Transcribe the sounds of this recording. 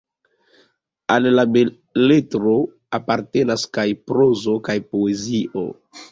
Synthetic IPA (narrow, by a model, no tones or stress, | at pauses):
allabe | letɾo | apaɾte̞naskajpɾozo̞kajpoe̞ziʔo̰